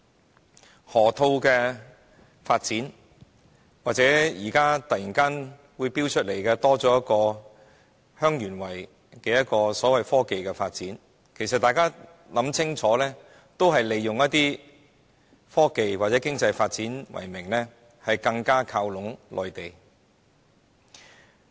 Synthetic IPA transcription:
hɔː˨˩t̪ʰo˧wkɛː˧ | faː˧t̚t͡siː˨˥n | waː˨t̚t͡sɛː˨˦˥jiː˨˩kaː˥t̪ɐ˨jiː˨˩nkaː˥n | wuː˨˧jpiː˥wt͡ʃʰɵ˥t̚le˨˩jkɛː˧t̪ɔː˥t͡sɔː˨˥jɐ˥t̚kɔː˧ | hœː˥ŋjyː˨˩nwɐ˨˩j | kɛː˧jɐ˥t̚kɔː˧sɔː˨˥wɐ˨jfɔː˥ke˨jkɛː˧faː˧t̚t͡siː˨˥n | kʰe˨˩jsɐ˨t̚t̪aː˨jkaː˥ | lɐ˨˥mt͡sʰɪ˥ŋt͡sʰɔː˨˥lɛː˥ | t̪o˥wɦɐ˨jle˨jːʊ˨ŋjɐ˥t̚t̪iː˥ | fɔː˥ke˨jwaː˨t̚t͡sɛ˨˥kɪ˥ŋt͡sɐ˧jfaː˧t̚t͡siː˨˥nwɐ̰˨˩jmɪ˨˩ŋlɛː˥ | hɐ˨jkɐ˧ŋkaː˥kʰaː˧wlʊ˨˥ŋlʔɔ̰ː˨jt̪e˨˩j

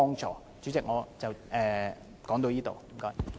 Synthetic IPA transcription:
ɔː˥ŋt͡ʃɔː˨˥ | t͡ʃyː˨˥t͡sɪ˨k̚ŋɔː˨˧t͡sɐ˨wɛː˨ | kɔː˨˥ŋt̪o˧wjiː˥t̪o̰˨wm̩˨˩kɔː˨˥j

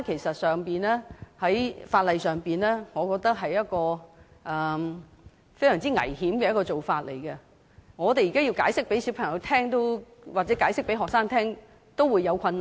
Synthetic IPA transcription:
kʰe˨˩jsɐ˨t̚sœː˨ŋpiː˨nɛː˥hɐ˨˥jfaː˧t̚lɐ˨jsœː˨ŋpiː˨nɛː˥ŋɔː˨˧kɔː˧k̚t̪ɐ˥k̚ɦɐ˨jːɐ˥t̚kɔː˧ʔɛ˨˩ | fe˥jsœː˨˩ŋt͡siː˥ŋɐ̰˨˩jhiː˨˥mkɛ˧jɐ˥kɔː˧t͡so˨wfaː˧t̚lḛ˨˩jkɛ˧ | ŋɔː˨˧t̪e˨ji˨kaː˥ji˧wkaː˨˥jsɪ˥k̚pe˨˥jsi˨˥wpʰɐ˨˩ŋjɐ˨˧wt̪ʰɛː˥ŋt̪o˥wwaː˨t̚t͡sɛ˨˥kaː˨˥jsɪ˥k̚pe˨˥jɦɔː˨k̚saː˥ŋt̪ʰɛː˥ŋ | t̪o˥wuː˨˧jːɐ˨˧wkʷʰɐ˧nːa˨

